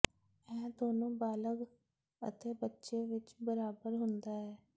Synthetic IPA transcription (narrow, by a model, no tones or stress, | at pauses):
ɛ̃ːd̪oːnõːbaːləɡ | ə̰t̪eːbətːʃeːʋɪt͡ʃbəɾaːbəɾɦʊnd̪aːɦɛː